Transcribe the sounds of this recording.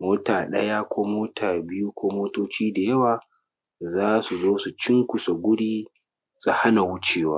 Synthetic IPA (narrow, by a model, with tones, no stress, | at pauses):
moː˦taː˨ɗɐ̰˦ja˦kʷʰoː˦moː˦tʰaː˨bɪ˦ju˦kʷoː˦moː˦toː˦t͡ʃiː˦da˨jɐ˦waː˨ | zaː˦su˨zoː˦su˨t͡ʃɪ˦ŋkʷʊ˨sa˨ɡʷʊ˦ɽiː˦ | sʼu˨ha˦na˨wʊ˦t͡ʃeː˨waː˦